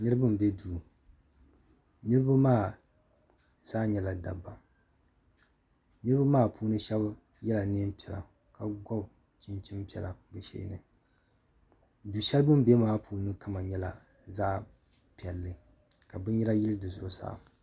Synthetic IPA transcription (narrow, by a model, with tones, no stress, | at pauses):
nɨ˦ɾɨ˦bɨ˦m˨bɛ˦duː˨ | nɨ˦ɾɨ˦ba˦maː˦˨ | z̥aː˦ɲɛ˨la˨da˨bːa˨ | nɨ˦ɾɨ˦ba˦maː˦˨pʰuː˦nɨ˦ʃɛ˦b | jɛ˦la˨ni˦m˦pi˨ɛ˨la̰˨ | ka˨ɡɔ˦b | t͡ʃi˦nt͡ʃi˦mpi˦ɛ˨la̰˨bɨ˨ʃḛː˦nɨ˨ | du˨ʃɛ˦lbɨ˦m˦bɛ˦maː˦pʰuː˦nɨ˦ka˦ma˨ɲɛ˦la˨ | zaː˦ | pi˨ɛ˨lːɨ˨ | ka˨bɨ˦ɲɛ˦ɾa˦ji˦lɨ˦dɨ˨zʊ˨˦sa̰ː˦˨